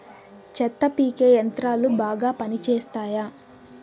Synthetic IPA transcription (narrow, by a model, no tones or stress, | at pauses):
t͡ʃɛt̪ːɐpiːkeːjɐnt̪ɾaːlubaːɡaːpɐnit͡ʃeːst̪aːjaː